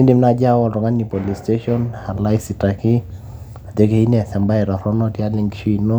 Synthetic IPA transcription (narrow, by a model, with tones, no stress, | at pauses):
i˦ndi˨mna˨d͡ʒa˦wɔ˨ltɔ˨ŋa˦nːi˨po˨li˨ste˦ʃɔ˦na˨la˦jsi˨ta˨kɪ˦ | a˨de˦ke˦i˦nɛ˨sɛ˨mba˦ɛ˨ɾɔ˨ɾɔ˦nɔ˦tja˦li˨ŋɡʃi˦no˦